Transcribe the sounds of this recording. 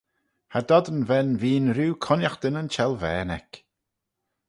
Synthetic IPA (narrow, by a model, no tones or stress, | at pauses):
had̪ɔd̪ənvɛnviːnɾuːkʰɔnaxd̪̥ənənt͡ʃɛlˠvɛːnɛk